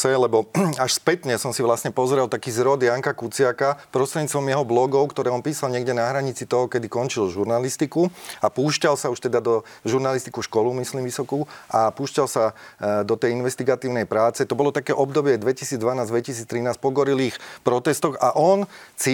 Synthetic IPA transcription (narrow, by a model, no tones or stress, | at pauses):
sɛlɛbɔaʃspɛt̪ɲɛsɔmsiʋlasɲɛpɔzɾɛlˠt̪akiːzɾɔd̪jaŋkakut͡sɪakapɾɔst̪ɾɛd̪ɲiːt͡st̪ʋɔmjɛɦɔblɔɡɔʊkt̪ɔɾɛːɔnpiːsalɲɪɛɡɟɛnaɦɾaɲit͡sit̪ɔɦɔkɛd̪ikɔnt͡ʃilʒuɾnalist̪ikuapuːʃcalsauʃt̪ɛd̪ad̪ɔʒuɾnalist̪i̥kuʃkɔlumislimʋisɔkuʔapuːʃcalsad̪ɔt̪ɛjinʋɛst̪iɡat̪iːʊnɛjpɾaːt͡sɛt̪ɔbɔlɔt̪akɛːʔɔbd̪ɔbɪɛd̪ʋɛcisiːd͡zd̪ʋanaːzd̪ʋɛcisiːt͡st̪ɾinaːs̚pɔɡɔɾiliːxpɾɔt̪ɛst̪ɔɣaʔɔnsi